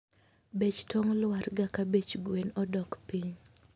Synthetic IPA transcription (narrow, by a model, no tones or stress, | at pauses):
bet͡ʃtɔŋlwaɾɡakabet͡ʃɡwenɔdɔkpiɲ